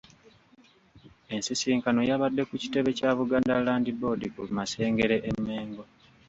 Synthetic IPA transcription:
e̞nsisiːŋkano̞jaβadːe̞kuci̥te̞βe̞caːβuɡaːndalaːndibo̞dikulumase̞ːŋɡe̞ɾeʔemːe̞ːŋɡo̞

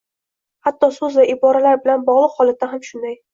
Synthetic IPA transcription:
hat̪ʰːɒsɵzvaʔɪbɒɾalaɾbɪlanbɒʁlˠɨqhɒlˠat̪ːaɦamʃʊnd̪aj

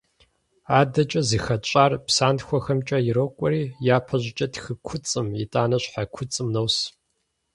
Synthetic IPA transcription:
aːdɐt͡ʃʼɐziːxɐt͡ʃʼaːrpsaːnxʷɔxɐmt͡ʃʼɐjɪɾokʷʼɔɾiːjaːpʰɐʑɪt͡ʃʼɐtxɨkʷʰʊt͡sʼɨmitʼaːnɐɕħakʷʰʊt͡sʼɨmnɐws

